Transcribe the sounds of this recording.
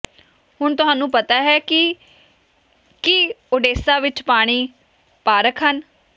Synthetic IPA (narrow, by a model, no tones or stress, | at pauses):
hʊɳt̪ʊɦãːnũːpət̪aːɦɛːkɪ | kiʊɖeːsaːʋɪt͡ʃpaːɽ̃iː | paːɾəkʰɦən